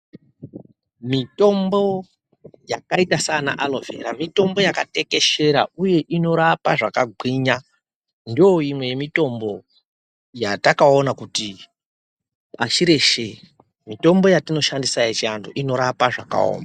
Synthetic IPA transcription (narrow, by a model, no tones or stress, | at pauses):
mito̞mbo̞ | jakaitasana̰ʔalove̞̰ɾamito̞mbo̞jakate̞ke̞ʃe̞ɾa̰uje̞ʔino̞ɾapaʐakaɡʱwiɲa | ndooimwe̞je̞mito̞mbo̞ | jatakao̞nakuti | aʃiɾe̞ʃe | mito̞mbo̞jatino̞ʃandisajet͡ʃiandoʔino̞ɾapaʐa̰ka̰o̰ːmbaa